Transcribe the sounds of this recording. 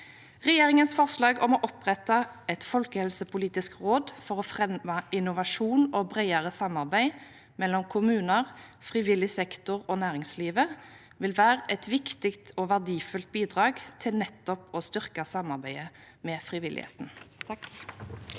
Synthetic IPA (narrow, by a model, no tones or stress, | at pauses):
ʁɛjeːʁɪŋənsfɔʁslɑːɡɔmɔʔɔpʁɛt̪ɑɛt̪fɔlkəhɛlsəpʰʊliːt̪ɪskʁoːd̪fɔʁɔfʁɛmɑɪnʊʋɑʂuːnobʁæɪɑʁəsɑmːɑʁbæɪ | mɛlːɔmkʰʊmʉːnəʁfʁɪʋɪlɪsɛkt̪ʊʁoːnæːʁɪŋsliːʋə | ʋɪlʋæːʁəʔɛt̪ʋɪkt̪ɪkt̪ʰoʋæʁd̪iːfʉlt̪̚biːd̪ʁɑːɡt̪ʰɪlnɛt̪ːɔpɔst̪ʏʁkɑsɑmːɑʁbæɪə | mɛfʁɪʋɪlʔɪ̰hḛːt̪n̩